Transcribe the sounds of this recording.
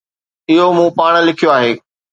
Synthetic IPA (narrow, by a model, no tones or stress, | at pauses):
ɪɦomũːpaːɽ̃̆lɪkʰijoaːɦeː